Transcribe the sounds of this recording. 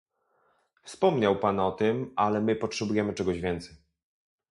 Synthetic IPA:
fspɔmɲawpanɔt̪ɘmalɛmɘpɔtʂɛbujɛmɘt͡ʂɛɡɔʑvʲjɛnt̪sɛj

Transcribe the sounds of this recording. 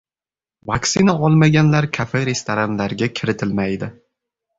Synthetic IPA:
vaksɪnaɒlˠmaɡʲanlaɾkʰafeɾe̞st̪oɾanlaɾɡʲakʲʰɪɾɪt̪ʰɪlmajd̪ɪ

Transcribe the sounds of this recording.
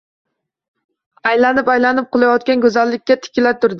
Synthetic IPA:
ajlanɪpajlanɪp̚qʰʊlˠajɒt̪̚kʲanɡʲɵzalːɪkʲːat̪ʰɪ̥kʲʰɪlat̪ʊɾd̪ɪ

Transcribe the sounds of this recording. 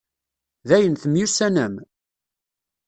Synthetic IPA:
ðæjənθəmjusænəm

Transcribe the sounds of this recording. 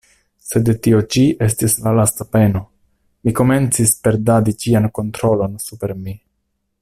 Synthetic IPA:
se̞dtio̞t͡ʃiʔe̞stislalastape̞no̞ | miko̞me̞nt͡sispe̞ɾdadit͡ʃianko̞ntɾo̞lo̞nsupe̞ɾmi

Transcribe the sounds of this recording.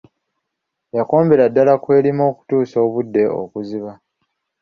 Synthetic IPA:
jako̞ːmbe̞ɾadːalakwe̞ːlimo̞ːku̥tuːso̞ːβudːe̞o̰kuziβa

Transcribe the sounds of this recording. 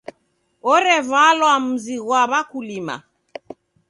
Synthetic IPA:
ɔɾɛvalwam̩ziɣwaβakulima̰

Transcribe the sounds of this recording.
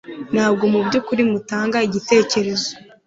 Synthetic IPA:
nhaːbɡo̞mubɟukuɾimutaːŋɡaiɟite̞ːce̞ɾe̞zo

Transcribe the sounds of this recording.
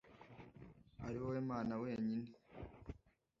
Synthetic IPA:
aɾiwowemaːnawe̞ːɲine

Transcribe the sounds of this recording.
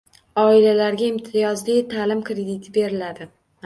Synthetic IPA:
ɒɪlalaɾɡʲaɪmt̪ʰɪjɒzlit̪ʰalɪmkɾed̪ɪt̪ʰɪbe̞ɾɪlad̪ɪ

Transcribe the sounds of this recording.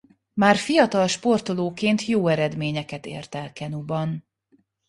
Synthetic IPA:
maːrfijɒt̪ɒlʃpo̞rt̪oloːkeːnt̪joːɛɾɛd̪meːɲɛkɛt̪ḛːrt̪ɛlkɛnubɒn

